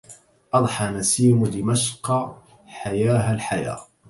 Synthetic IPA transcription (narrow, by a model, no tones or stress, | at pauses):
ʔɑd̪ˤħɑnasiːmʊd̪ɪmaʃq | ħajaːɦalħaja̰ː